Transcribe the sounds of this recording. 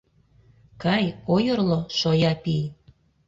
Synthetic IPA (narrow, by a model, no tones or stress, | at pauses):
kɑjojərloʃojɑpij